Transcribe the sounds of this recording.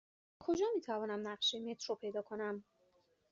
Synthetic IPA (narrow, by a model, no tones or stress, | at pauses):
kʰo̞d͡ʒɒːmiːt̪ʰævɒːnæmnæɢʃejmet̪ʰɾopʰe̞jd̪ɒːkʰo̞næm